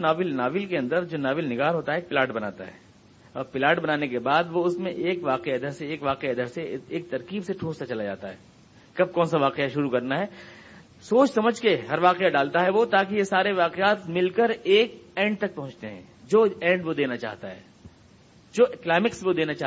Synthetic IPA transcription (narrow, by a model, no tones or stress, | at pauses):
naːʋɪlnaːʋɪlkeɐ̃nd̪əɾd͡ʒoːnaːʋɪlnɪɡaːɾɦoːt̪aɦɛeːk̚pɪlaːɾʈbɐnaːt̪a̰ɦɛ̰ː | ɔːɾpɪlaːʈbɐnaːnekebaːd̪ʋoʊsmẽʔeːkʋaːqeɐd̪ʱəɾseeːkʋaːqeɐd̪əɾseeːk̚t̪ɐɾkiːbseʈʰõːst̪at͡ʃɐlad͡ʒa̰ːt̪aɦɛː | kɐb̚kɔ̃ːnsaʋaːqeaʃʊɾukɐɾnaɦɛː | soːt͡ʃsɐməd͡ʒʱkeɦɐɾʋaːqeaɖaːlt̪aɦɛʋot̪aːkijesaːɾeʋaːqeaːt̪mɪlkəɾeːkɛ̃ːɳɖ̚t̪ɐk̚pɐɦʊ̃t͡ʃt̪eɦɛ̰̃ː | d͡ʒoːɛ̃ːɳɖʋod̪eːnat͡ʃa̰ːɦt̪aɦɛ̰ː | d͡ʒoːklaːmɪksʋod̪eːnat͡ʃaː